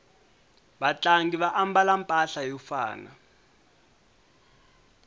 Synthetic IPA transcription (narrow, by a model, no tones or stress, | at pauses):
ɓat͡ɬaŋɡiβaʔambalampʼaɬajɔfa̰ːna̰